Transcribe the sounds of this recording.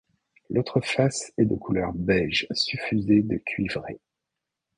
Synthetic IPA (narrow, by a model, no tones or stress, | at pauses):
lʔot̪χəfasɛd̪əkʰulœʁbɛlʒsyfyzed̪əkʲʰɥivʁe